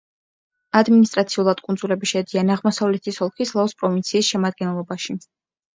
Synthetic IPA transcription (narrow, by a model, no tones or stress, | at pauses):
ad̪minist̪ʼɾat̪sʰiulˠad̪̥kʼund̪zulɛbiʃɛd̪ianaʁmɔsavlɛt̪ʰisɔlˠkʰislˠaɔspʼɾɔvint̪sʰiːsʃɛmad̪̚ɡɛnlˠɔbaʃi